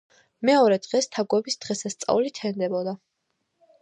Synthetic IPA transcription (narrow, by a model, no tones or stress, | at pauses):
mɛɔɾɛd̪̥ʁɛst̪ʰaɡwɛbisd̪̥ʁɛsast̪sʼa̰ulit̪ʰɛnd̪ɛbɔd̪a